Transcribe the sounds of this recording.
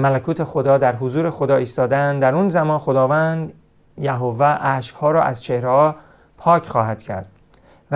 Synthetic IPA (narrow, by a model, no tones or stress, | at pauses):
mælækʰuːt̪ʰe̞xod̪ɒːd̪æɾɦozuːɾe̞xod̪ɒːiːst̪ɒːd̪eænd̪d̪æɾuːnzæmɒːnxo̞d̪ɒːvænd̪ | jæɦovæʔæːʃkhɒːɾɒːʔæzt͡ʃʰehɾehɒː | pʰɒːcʰχɒːɦæd̪̥cʰæ̰ɾd̪̥ | v